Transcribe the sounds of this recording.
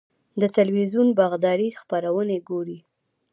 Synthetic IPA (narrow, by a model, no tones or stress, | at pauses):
d̪ət̪alwizunbaɣd̪ɑɾixpaɾawəneɡoɾi